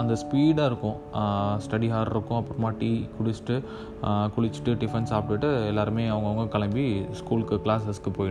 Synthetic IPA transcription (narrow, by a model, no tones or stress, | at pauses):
ɐnd̪ɐspiːɽaːɪɾɯkːʊ̃ | sʈɐɽiɦaːɾɾɯkːʊ̃ɐpːɯɾɯmaːʈiːkʊɽɪt͡ʃʈːɯ | kʊɽɪt͡ʃːʈːɯɖɪfɛnsaːp̚ʈːɯʈːɯɛlːaːɾɯmeːɐʋɐŋɡɐʋɐŋɡɐkɐɭɐmbiskuːlkːɯkɭaːsɐskːɯpoːjɪɽ̃